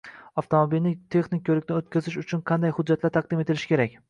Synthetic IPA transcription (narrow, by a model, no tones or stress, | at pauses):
ɒft̪ʰomobilnɪt̪ʰe̞χnɪk̚ʲkʰʲɵɾɪk̚ʲnɪot̪̚kʲazɪʃʊt͡ʃʰʊnqʰɑnd̪ajhʊd̪̚d͡ʒːat̪laɾt̪ʰɑq̚d̪ɪme̞t̪ɪlɪʃɪ̥kʲe̞ɾakʲ